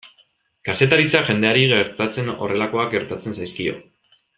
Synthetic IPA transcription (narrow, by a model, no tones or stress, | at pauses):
kase̞t̪aɾit͡saʝe̞nd̪e̞aɾiɣeɾt̪at͡se̞no̞̰re̞lako̞ak̚ɡe̞ɾt̪at͡se̞nsajskio̞̰